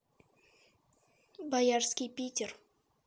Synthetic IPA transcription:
bajarskʲijpʲitʲer

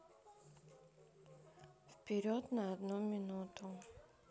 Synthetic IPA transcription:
fpʲɪɾʲot̪nəɐd̪numʲɪnut̪ʊ

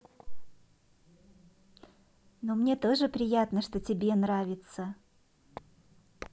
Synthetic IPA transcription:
nomnʲe̞t̪o̞ʐɨpɾʲɪjat̪nəʂt̪o̞tʲɪbʲe̞nɾavʲɪt̪sə

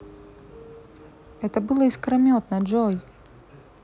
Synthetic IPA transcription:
ɛt̪əbɨlˠəiskɾɐmʲot̪nɐʐoj

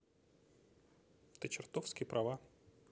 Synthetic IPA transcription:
t̪ət͡ɕɪrt̪ofskʲɪjəpɾʔɐva

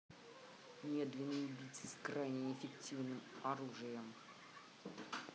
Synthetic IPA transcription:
mʲed̪vʲɪnːəʊbʲit̪ʲsɨskrajnʲɪɪfʲɪktʲivnɨmɐɾuʐɨjəm

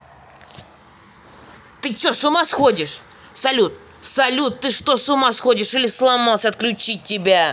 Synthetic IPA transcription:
t̪ɨt͡ɕosʊmasxodʲɪʂ | sɐlʲut̪̚ | sɐlʲut̪tːɨʂt̪osʊmasxodʲɪʂɨlʲɪslˠɐmalˠsʲəɐt̪̚klʲʉt͡ɕit̚ʲtʲːɪbʲa

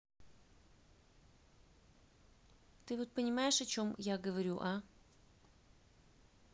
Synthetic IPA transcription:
t̪ɨvot̪̚pənʲɪmajɪʂɐt͡ɕo̞mjaɡəvɐɾʲṵʔa

